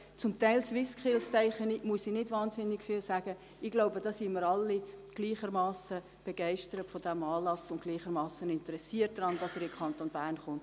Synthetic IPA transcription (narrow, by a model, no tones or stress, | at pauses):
t͡sʊmtæɪlswɪskχɪlst͡sɛɪχənimuəsinɪdvɑːnzɪnːɪkfiːlsæːɡ̥ə | ɪɡ̥loʊbədɑːsiməɾɑlːiɡ̥liːχəɾmɑːsə | b̥eɡ̥ɛɪʃtəɾətfɔdæmɑːlɑsʊnt̚ɡliːχəɾmɑːsənɪntəɾɛsiət̚d̥ɾɑnd̥ɑsɛːɾɪmkʰχɑnt̪onbæːɾnχʊnt